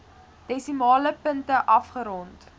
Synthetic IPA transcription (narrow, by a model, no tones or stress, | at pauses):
d̥ɛsimɑːləpəntəʔɐfχəɾɔnt